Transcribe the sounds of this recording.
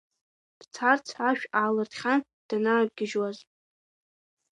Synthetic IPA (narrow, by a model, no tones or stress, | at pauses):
b̥t͡sʰart͡sʰaʃᶣaːlɨrtʰχʲan | d̥anaːb̚ɡʲɪʒwaz